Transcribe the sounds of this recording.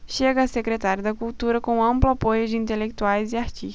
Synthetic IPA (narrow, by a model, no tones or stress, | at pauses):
ʃeɡɐːsekɾet̪aɾjʊd̪ɐkult̪uɾɐkõɐ̃mplʊapojʊd͡ʒɪĩnt̪elek̚t̪uajzɪaɾt͡ʃiʃ